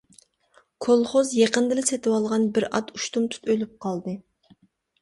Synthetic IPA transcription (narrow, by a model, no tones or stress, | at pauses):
kʰolˠχozjeqənd̪ɨlɨset̪ʰɪwɑlˠʁɑnbɪɾɑt̪uʃt̪umt̪ʰu̥t̪ølyp̚qʰɑlˠd̪ɨ